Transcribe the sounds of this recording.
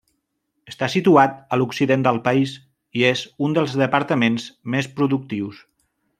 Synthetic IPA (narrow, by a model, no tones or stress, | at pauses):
əst̪asit̪uat̪əluksiðend̪əlˠpəiz | iezund̪əlˠzðəpəɾt̪əmenzmespɾuðuk̚t̪iws